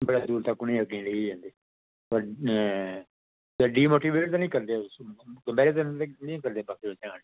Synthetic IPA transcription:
bəɽaːd̪uːɾt̪əkːʊnĩːəɡĩːleid͡ʒãːnd̪eː | pəɾ | t̪əɖiːmoːʈiːʋeːʈ̚t̪aːnĩːkəɾd̪eːsɡəmbɛːɾeːt̪ːnĩːkəɾd̪eːbəkd̪eːʋɪt͡ʃãːn

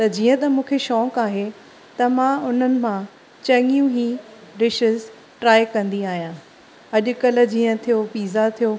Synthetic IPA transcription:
t̪ɐd͡ʑiːə̃t̪ɐmũːkʰeʃɔːkaːɦe | t̪ɐmãʊn̤ənɪ̆mã | t͡ɕɐŋijũɦiɾɪʃɪz | ʈɾaːjkɐ̃nd̪iaːɦijãː | ɐʄʊ̆kɐl̆d͡ʑiːə̃t̪ʰijopiːzat̪ʰijo

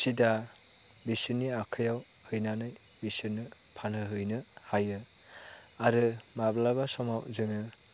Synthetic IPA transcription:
sida | bisɯnːiakʰɯjaw | hɯjnanɯj | bisɯnːɯ | pʰanɯɦɯjnɯhajɯ | aɾɯmablabasɔmawzɯŋɯ

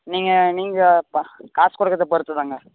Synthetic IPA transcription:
niːŋɡɐniːŋɡɐpkaːskɔɽɐkːɐt̪ːɐpɐɾɯt̪ːɯðaːŋɡɐ

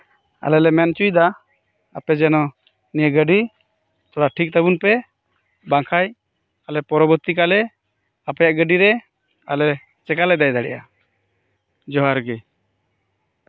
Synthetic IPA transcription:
a̰lɛlɛmɛnt͡ʃujd̪a | apɛd͡ʒɛnɔ | nijəɡəɖi | t̪ɔɽaʈʰik̚t̪abunpɛ | baŋkʰaj | alɛpɔɾɔbɔɾt̪ikalɛ | apɛjaʔɡəɖiɾɛ | a̰lɛ | t͡ʃɛkalɛd̪ajd̪aɽɛ̰ʔa | d͡ʒɔɦaɾɡɛ

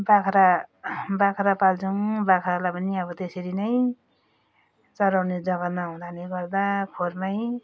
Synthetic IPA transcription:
bakʰɾabakʰɾapalt͡sʰʌŋbakʰɾalapʌniʌbʌt̪esʌɾinʌj | t͡sʌɾawned͡zʌɡʌmaɦũd̪aneɡʌrd̪akʰornʌj

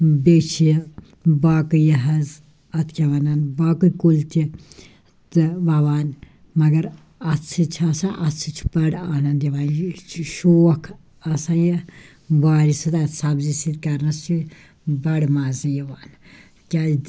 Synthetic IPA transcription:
bet͡ʃʰij | baːkɨjiɦɐz | ɐt̪ʰkʲɐʋɐnɐnbaːkɨkult̪i | t̪ɨʋaʋaːn | mɐɡɐɾ | ɐt͡sʰɨt͡ʃʰɐsaʔɐt͡sʰɨt͡ʃʰibɐɽaːnɐnd̪iʋaːnt͡ʃʰʃoːɐkʰ | ɐsãːji | baːɾisɨt̪ɐt̪sɐbzisid̪kɐɾnɐst͡ʃʰi | bɐɽmaːzɨjiʋaːn | kʲaː

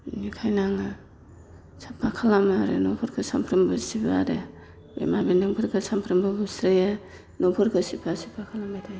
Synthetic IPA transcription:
nikʰajnaŋa | sapʰakʰalamaɾḛnɔpʰɔɾkʰɯsampʰɾɯmbɯsiba̰ɾe | bḛmabindɯŋkʰɯɾkʰɯsampʰɾɯmbɯbusɾɯja | nɔpʰɔɾkʰɯsipʰasi̥pʰakʰalamaɾa

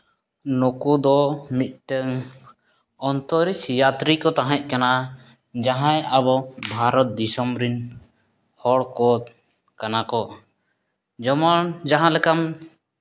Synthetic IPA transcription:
nukud̪ɔmit̪̚ˀʈəŋ | ɔnt̪ɔɾisjat̪ɾikɔt̪aɦɛ̃c̚ˀkana | d͡ʒaɦãjabɔbʱaɾɔt̪̚d̪isɔmbɾin | hɔɽkɔt̪ | kanakɔ | d͡ʒɔmand͡ʒaɦãlɛkam

